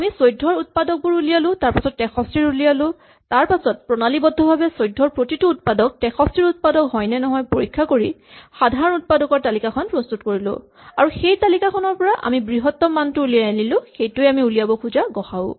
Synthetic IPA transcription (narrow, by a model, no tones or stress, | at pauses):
amisojdʱːɔɹut̚padɔk̚bʊɹulijalʊ̃taɹpasɔtːɛxʰɔstɹiɹulijalʊ̃ | taɹpasɔt̚pɹɔnalibɔdʱɔbʱabɛsojdʱːɔɹpɹotitʊːtpadɔk̚tɛxʰɔstɹiɹut̚padɔkɦɔjnɛnɔɦɔjpoɹikʰːakoɹixadʱaɹɔnut̚padɔkɔɹtalikakʰɔnpɹɔstutkoɹilʊ̰̃ | aɹuxejtalikakʰɔnɔɹpɔɹaʔa̰mibɹiɦɔtːɔmantʊulijanilʊ̃xejtʊjamiulijabɔkʰuzaɡɔxaʊ